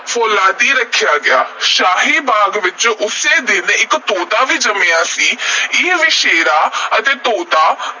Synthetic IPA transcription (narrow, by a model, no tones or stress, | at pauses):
fʰoːlaːd̪iːɾəkʰːjaːɡɪaːʃaːɦiːbaːɡʋɪt͡ʃʊseːd̪ɪnɪkt̪oːd̪aːʋiːd͡ʒəmeːaːsiːɪʋiːʃeːɾaːət̪eːt̪oːd̪aː